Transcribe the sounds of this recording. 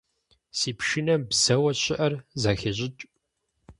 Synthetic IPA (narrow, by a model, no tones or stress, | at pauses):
siːpʃɪnɐmbsɐwɐɕɪʔɐrzaːxɐʑʼɪt͡ʃʼ